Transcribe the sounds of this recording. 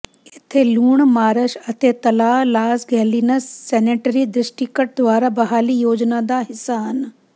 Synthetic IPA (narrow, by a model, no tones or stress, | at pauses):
ɪt̪ʰeluːɳmaːɾəʃɐt̪ʰet̪ɐlaːlaːsɡɛːliːnəsːɛːneːʈəɾid̪ɾɪsʈikəʈ̚d̪ʋaːɾabɐɦaːlijoːd͡ʒnad̪aɦɪsaɦɐn